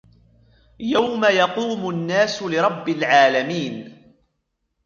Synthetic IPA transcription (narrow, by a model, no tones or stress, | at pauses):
jawmajɑquːmʊnːaːsʊlɪɾˤɑbːɪlʕaːlamiːn